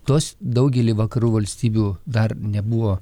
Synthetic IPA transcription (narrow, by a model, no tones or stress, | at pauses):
t̪oːsd̪ɐʊɡʲɛlʲɪʋɐkɐɾuːʋɐlʲsʲt̪ʲiːbʲuːd̪ɐrnʲɛbuʋoː